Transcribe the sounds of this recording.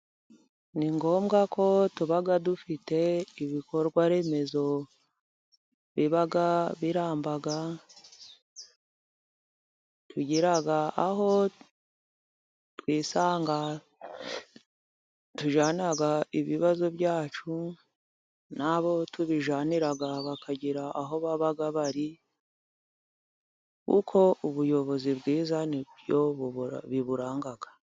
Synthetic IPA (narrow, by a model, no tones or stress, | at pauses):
niŋɡo̞ːmɡako̞tuβaɡadufite̞iβiko̞ɾɡwaɾe̞ːme̞zo̞ | βiβaɡaβiɾaːmbaɡa | tʰuɟiɾaɡaaɦo̞ | twiːsaːŋɡa | tuʒaːniɾaɡaiβiβazo̞bjaːt͡ʃu | naβo̞tuβiʒaːniɾaɡaβakaɟiɾaʔaɦo̞βaβaɡaβaɾi | kṵkʰo̞uβujo̞βo̞zibɡiːzaniβjoβiβuɾaːŋɡaɡa